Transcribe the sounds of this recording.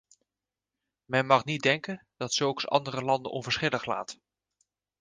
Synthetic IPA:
mɛnmɑχnit̚dɛŋkənd̥ɑtsɵlˠksɑ̰ndərəlɑndə̰nʔɔnvəɹsχɪləχla̰ːt

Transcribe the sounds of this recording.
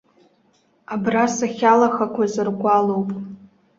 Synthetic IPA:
abrasaχʲalaxakʷʰazɨrɡʷalowpʼ

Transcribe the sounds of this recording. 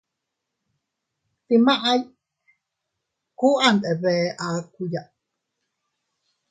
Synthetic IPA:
t̪imaʔaj | kuʔant̪eβɛːʔakujaʔ

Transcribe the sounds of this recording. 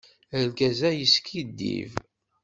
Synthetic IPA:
əlɡæzæjəskid̪ːḭv

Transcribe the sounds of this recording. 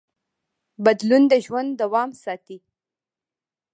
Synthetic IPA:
bad̪lund̪əʒwand̪ːawɑmsɑt̪i

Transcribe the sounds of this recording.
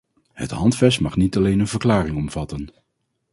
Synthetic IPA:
hə̰tɦɑntfɛstmɑχnitɑlejnənvəɹklaːrɪŋɔmv̥ɑtən

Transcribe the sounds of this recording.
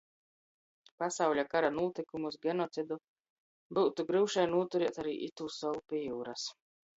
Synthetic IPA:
pasawʎʲakaɾanuɔt̪ikumusɡʲɛnɔt̪sid̪u | buwt̪uɡɾɨwʃajnuɔt̪uɾiɛt̪aɾḭːʔit̪uːsɔwupʲijuːɾas

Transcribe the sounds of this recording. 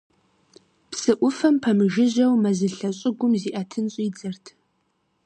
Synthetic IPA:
psɨʔʷʊfɐmpʰɐmɨʒɪʑɐwmɐzɨɬɐɕʼɪɡʷʊmziːʔɐtʰɨnɕʼiːd͡zɐrtʰ

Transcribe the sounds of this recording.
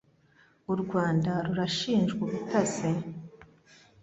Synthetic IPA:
uɾɡwaːndaɾuɾaʃiːnʒɡuβutaze

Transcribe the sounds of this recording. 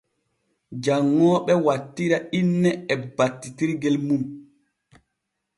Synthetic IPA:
d͡ʒaŋːɔːɓɛwatːiɾainːɛɛbatːitiɾɡɛlmum

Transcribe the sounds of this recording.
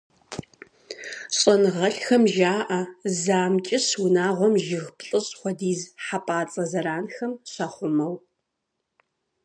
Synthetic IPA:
ɕʼɐnʁɐɬxɐmʒaːʔɐzaːmt͡ʃʼɪɕwʊnaːʁʷɔmʒɪɣpɬʼɨɕʼχʷɔdiːzħapʼaːt͡sʼɐzɐɾaːnxɐmɕɐχʷʊmɐw

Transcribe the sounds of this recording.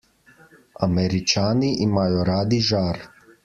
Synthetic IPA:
a̰meɾit͡ʃaːniʔimajoɾaːd̪iʒaːɾ

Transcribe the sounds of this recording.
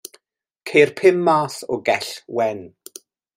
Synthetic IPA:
kʰejrpʰɪmːaːθɔɡɛɬwɛn

